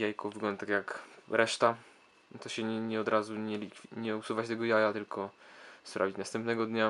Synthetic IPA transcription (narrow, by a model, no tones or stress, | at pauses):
jajkɔvɘɡlɔnd̪t̪akʲjakɾʔɛʂt̪a | t̪ɔɕɛɛɲɛɔd̪ɾʔazuɲɛlʲikfʲɲɛusuvat͡ɕt̪ɛɡɔjajat̪ɘlkʰɔspɾa̰vʲit͡ɕnast̪ɛmpnɛɡɔd̪ɲa